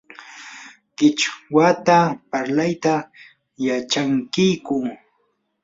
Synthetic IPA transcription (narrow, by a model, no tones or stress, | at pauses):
kɪt͡ʃwat̪apaɾlajt̪a | jat͡ʃaŋkɪjkʊ